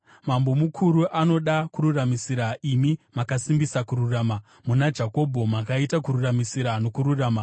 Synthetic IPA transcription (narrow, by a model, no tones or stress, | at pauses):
mambo̞mukʰuɾuʔano̞ɗakuɾuramisiɾaimimakasimbisakuɾuraːma | munad͡ʒako̞bʱo̞makaitakuɾuramisiɾano̞kuɾuraːma